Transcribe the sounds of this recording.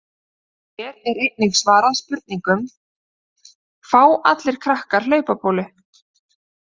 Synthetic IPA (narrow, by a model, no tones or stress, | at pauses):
ɛːɾɪɾɪt̪̚niɣsvaːɾaspʏɾt̪̚niŋkʏm | faːwa̰t̪lɪɾ̥kʰɾahkaɾ̥lœːɥpapʰoːwlʏ